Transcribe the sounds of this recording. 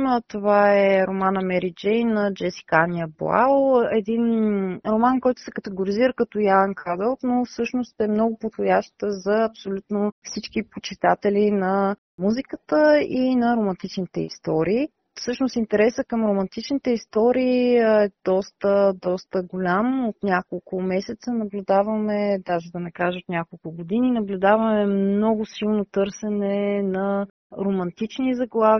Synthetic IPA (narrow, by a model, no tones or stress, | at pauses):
t̪ovaɛɾomanɐmɛɾid͡ʒɛjnɐd͡ʒɛsi̥kaniəblˠa̰wɛd̪inɾomankɔjt̪ʊ̥sɛkət̪ɛɡoɾiziɾəkət̪ɔjaɛnkad̪ɛlˠt̪nofsɤʃnost̪ɛmnɔɡʊpod̪xojaʃt̪əzɐɐpsolʲut̪nofsit͡ʃkipot͡ʃit̪at̪ɛlinɐ | muzikət̪əinɐɾomɐ̃nt̪it͡ʃnit̪ɛ̰ḭst̪ɔɾiː | fsɤʃnosint̪ɛɾɛsəkɐmɾomɐnt̪it͡ʃnit̪ɛist̪ɔɾiːɛd̪̥ɔst̪əd̪ɔst̪əɡolʲamot̪nʲjakolˠkʊmɛsɛt̪sənɐblʲʊd̪avɐmɛd̪aʒɛd̪ɐnɛkaʒəot̪nʲakolˠkʊɡod̪ininɐblʲʊd̪avɐmɛmnɔɡʊsilˠnot̪ɤɾsɛnɛnɐ | ɾomɐnt̪it͡ʃnizɐɡlˠav